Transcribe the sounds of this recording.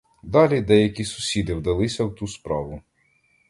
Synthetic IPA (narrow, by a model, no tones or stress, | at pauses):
d̪ɑlʲid̪ɛjɐkʲisʊ̥sʲid̪ɪwd̪ɐlˠɪsʲɐwt̪uspɾɑʋʊ